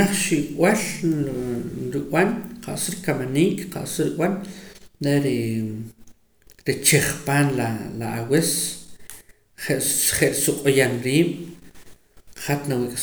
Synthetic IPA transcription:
aχʃiʔkʼwal | ɾiwanqʰa̰ʔsuɾikamaniːkʼqa̰ʔsuɾiwanɾeɾi | ɾit͡ʃeχpaːnlalaawes | χeʔχeʔsuqʼojanɾiːɓ̥ | χat̪nawikʼ

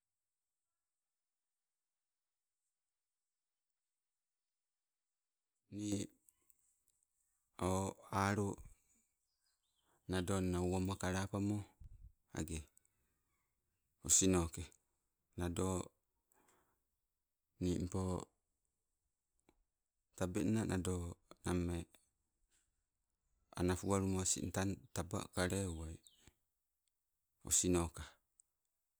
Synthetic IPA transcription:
ni | oaɾo | nadonnauwamokaɾapamo | a̰ɡe | osinoke | nado | nim̩po | tabenanʔadonamːe | a̰nafuβaɾumosḭntantaba̰kaɾeuaj | o̰sinoka

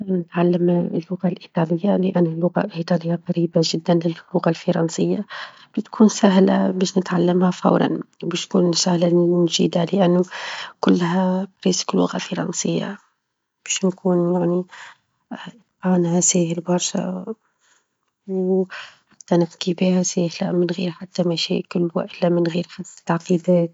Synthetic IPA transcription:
nɪt̪ʕalːəmlːʊɣalʔit̪ˤɑːlɪjːalɪʔanːʊlːʊɣa̰ʔit̪ˤɑlɪjːaqɑɾiːbaʒɪd̪ːanlɪlːʊɣalfɑɾˤɑnsɪjːab̥ɪt̪kʰuːnsaɦla̰bɛːʃnɪt̪ʕalːɪmhafɑ̰wɾˤɑ̰nbiːʃkuːnsahlanʒiːd̪alɪʔanːukʊlːhabɾiːsɪ̥klːʊ̰ɣafɑɾˤɑ̰nsɪjːa̰ | b̥ɛːʃnkuːnjaʕni | t̪aːnhasæːhɪlbɑɾˤʃa̰ | wħat̪ːænɪfkibiːhasæːhla̰mɪnɣḭːɾħat̪ːamæʃḭːʔkʊlːwɪ̰ʔɪlːæmɪnɣiːɾħat̪ːlʕqiːd̪æːt̪

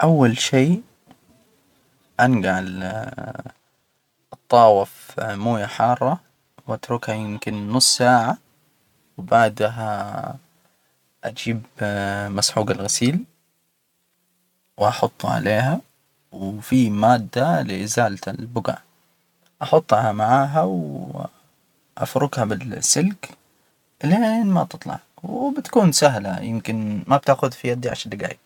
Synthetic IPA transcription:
ʔawːalʃeː | ʔanɡaʕl | ʔɨt̪ˤːɑːwɪfmuːjaħɑːrˤːɑ | wʔat̪ɾʊkhajɪmkɪnːʊsˤːsaːʕa | wbaʕd̪ɦa | ʔad͡ʒiːbmasħuːɡalɣasiːl | wʔɑħʊt̪ˤːʕa̰leːɦa | wfimaːd̪ːalɪʔɪzaːllbʊɡa̰ːʕ | ʔɑħʊt̪ˤːhamaʕaːɦaw | ʔa̰fɾʊɡhabɪlsːɪlk | leːnmat̪ɨt̪ˤlɑ̰ʕwbɪt̪ḁkuːnsaɦla̰jɪmkɪnmab̚t̪aʔxʊðfijad̪iʕa̰ʃad̪aɡa̰ːj

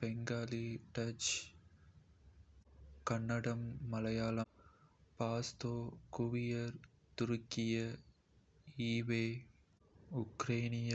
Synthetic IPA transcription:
bɛŋɡaːliʈɐt͡ʃ | kɐɳːɐɽɐmːɐlɐjaːlɐmpaːst̪oːkuʋɪjɐɾ | t̪ʊɾʊkːɪjɐ | iːʋeː | ʊkɾeːnɪjɐ

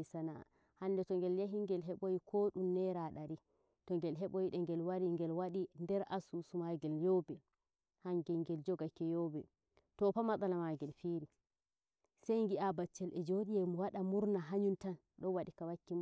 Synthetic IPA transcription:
isana̰ | handɛtɔŋɡɛljaɦiŋɡɛlɦɛɓojikʰoːɗumnɛɾaɗaɾi | tɔŋɡɛlɦɛɓojiɗɛŋɡɛlwaɾiŋɡɛlwaɗindɛɾʔasusumaɡɛljɔbɛ | haŋɡɛŋɡɛld͡ʒɔɡakːɛjɔbɛ | tɔpamaɗalamaɡɛlfiɾi | sɛjŋɡiabat͡ʃːɛlʔɛd͡ʒoɗijɛmɔwaɗamuɾnaɦaɲuntan | ɗɔnwaɗikawakːim

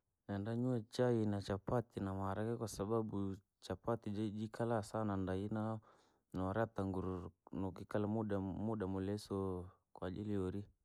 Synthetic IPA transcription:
nandaɲuat͡ʃainat͡ʃapat̪inamaɾakɛkwasaɓaɓu | t͡ʃapat̪id͡ʒad͡ʒikʰalasanandaina | naaɾat̪aŋɡuɾnɔkikalamuɗamuɗamulɛsɔ | kwad͡ʒiliɔɾi

